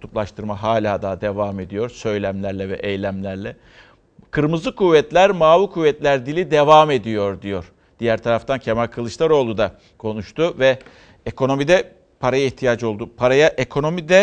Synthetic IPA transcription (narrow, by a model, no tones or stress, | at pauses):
t̪ʰuplˠaʃt̪ʰɯɾmaɦaːlʲaːd̪aːd̪e̞vaːme̞d̪ijo̞ɾsø̞jlʲæmlʲæɾlʲɛvɛʔejlʲæmlʲæɾlʲɛ | kʰɯɾmɯzˠɯkʰuvːɛt̪lʲæɾmaːvikʰuvːɛt̪lʲæɾd̪ilʲid̪e̞vame̞d̪ijo̞ɾd̪ijo̞ɾ̥ | d̪̥ijæɾt̪ʰaɾaft̪ʰancʰemalʲkʰɯlˠɯʃlˠaɾo̞ːlˠud̪a | kʰo̞nuʃt̪ʰuvɛ | ekʰo̞no̞mid̪ɛ | pʰaɾajaiçt̪ʰijad͡ʒo̞lˠd̪upʰaɾajaʔekʰo̞no̞mid̪ɛ